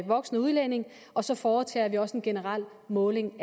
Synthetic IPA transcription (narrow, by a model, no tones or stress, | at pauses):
ʋɒ̽ɡ̥snəuð̞ˠlene̝ŋ | ʔɒ̽sɒ̽fɒːt͡sʰḛːɐʋiɒ̽səe̝nɡ̥e̝nəʁɑl̰ | mɔ̽ːle̝ŋ